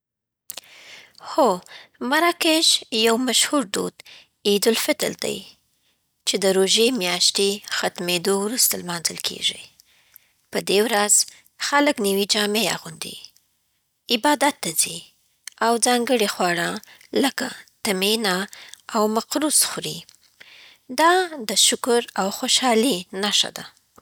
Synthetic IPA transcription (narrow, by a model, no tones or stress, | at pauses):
xomaɾɑkeʒjawmaʃhuɾd̪o̰d̪ | id̪ʊlfɪt̪ə̰ld̪a̰j | t͡ʃed̪əɾoʒemjɑʃt̪exat̪med̪owɾust̪almɑnzəlkʰḛʒḭ | pəd̪ewɾaz̥ | xaləkniwid͡ʒɑmea̰ɣund̪ḭ | ɪbɑd̪at̪ːazi | awzɑŋɡəɽixwɑɽɑləkat̪amenaawmaqɾusxɾi | d̪ɑd̪əʃʊkʊɾawxoʃɑlinaʃa̰d̪a